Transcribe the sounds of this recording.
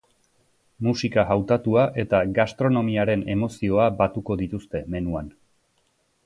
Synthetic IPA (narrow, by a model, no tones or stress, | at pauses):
musikaɦawt̪at̪uaʔe̞t̪aɡast̪ɾo̞no̞miaɾe̞ne̞mo̞sio̞abat̪uko̞ðit̪ust̪e̞me̞nuan